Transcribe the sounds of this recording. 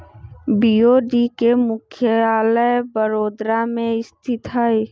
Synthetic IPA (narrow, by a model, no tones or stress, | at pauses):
bioɖikemʊkʰjəaːləjbəɾoːd̪ɾamẽɪst̪ʰɪt̪ɦai